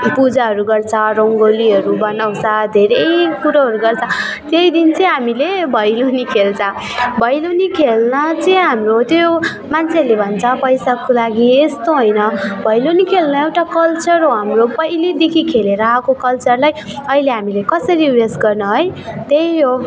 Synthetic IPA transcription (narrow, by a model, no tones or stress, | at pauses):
pud͡zaɦʌɾuɡʌrt͡sʰʌ̃roŋɡoliɦʌɾubʌnaw̃t͡sʰʌ̃d̪ʱeɾʌjkuɾaɦʌɾuɡʌrt͡sʰʌ̃ | t̪jejd̪int͡sʌĩɦamilebʱʌjlonikʰelt͡sʰʌ̃ | bʱʌjlonikʰelnʌt͡sʌjɦamrot̪oo | mant͡sʰeʌɾlebʱʌnt͡sʰʌpʌjsakolaɡiest̪oɦojnʌbʱʌjlonikʰelnʌewʈakʌlt͡sʌɾɦoɦamropʌjlid̪ekʰikʰeleɾʌːkokʌlt͡sʌrlaj | ʌileɦamilekʌsʌɾiwesɡʌrnʌɦojt̪ejɦo